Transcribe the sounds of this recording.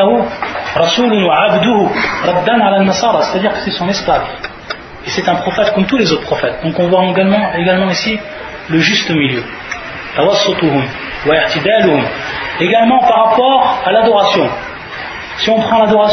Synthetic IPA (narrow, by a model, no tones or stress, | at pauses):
ɦuɾˤɑsuːlʊnwaʕabd̪uhuɾˤɑd̪ːanʕalanːɑsˤɑːɾˤɑse̥t̪ad̪iːʁkə̥sɛsɔ̃nɛsklav | esɛt̪ɛ̃pχɔfɛt̪kɔmt̪ulezot̪χpχɔfɛt̪̚d̪ɔ̃kɔ̃vwaɡalmɑ̃eɡalmɑ̃isi | ləʒyst̪əmiljø | t̪awɑsːʊt̪uɦʊm | waɪʕt̪id̪aluhʊmeɡalmɑ̃paʁːapɔʁalad̪ɔʁasjɔ̃ | siɔ̃pχɑ̃lad̪ɔʁa